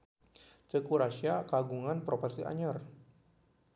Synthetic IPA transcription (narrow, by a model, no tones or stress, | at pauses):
t͡ʃəkuɾasiakaɡuŋanpɾopɔrsiʔa̰ɲar